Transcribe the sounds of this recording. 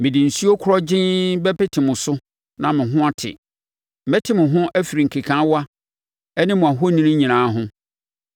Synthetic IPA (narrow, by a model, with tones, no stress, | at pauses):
mɪ̃˨dɪ̃˨n̩˨si˦o˦kʰʊ˦ɾɔ˦d͡ʑɪ̃˦bɛ˦pɪ˦tʰɪ˨mʊ̃˨sʊ˦ | nã˨mɪ̃˨ɦʊ̃˦a˦tʰɪ̰˨ | mɛ̃˦tʰɪ˦mʊ̃˨ɦʊ̃˦ʔæ˦fi˨ɾi˨ŋ̩˨kʰi˨kʰã˨˦wa˦ | ɛ˦nɪ̃˦mʊ̃˨a˨ɦo˦nĩ˦nĩ˦ɲĩ˨nãː˨˦ɦʊ̃˦